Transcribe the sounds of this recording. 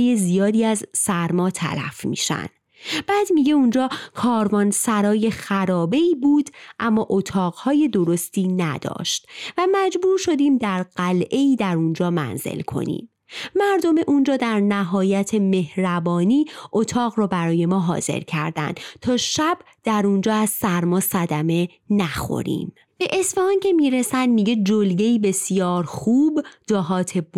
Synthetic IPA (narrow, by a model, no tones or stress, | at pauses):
jezijɒːd̪iːæzsæɾmɒːt̪ʰæ̰læ̰fmḭːʃæ̰n̥ | b̥æːd̪miɟeund͡ʒɒːkʰɒːɾvɒːnsæɾɒːje̞xæɾɒːbe̞iːbuːd̪ʔæmːɒːʔot̪ʰɒːɣhɒːje̞d̪o̞ɾo̞st̪ʰiːnæ̰d̪ɒ̰ːʃt̪væmæd͡ʒbuːɾʃo̞d̪iːmd̪æɾɢ̥ælʔe̞iːd̪æɾund͡ʒɒːmæ̰nz̥ḛlkʰo̞̰nḭːm | mæɾd̪o̞me̞ʔund͡ʒɒːd̪æɾnæɦɒːjæt̪ʰe̞me̞hɾæbɒːniːʔo̞t̪ʰɒːɣɾɔːbæɾɒːje̞mɒːɦɒ̰ːz̥e̞̰ɾcʰæ̰ɾd̪æ̰nd̪̥t̪ʰɒːʃæb̥ | d̪̥æɾund͡ʒɒːæz̥sæɾmɒːsæd̪æme̞ | næxo̰ɾḭːm | b̥e̞ʔesfeɑːncʰe̞miːɾesænd̪miːɟe̞d͡ʒolɡe̞iːbe̞sijɒːɾxuːbd͡ʒɒːɦɒːt̪ʰe̞b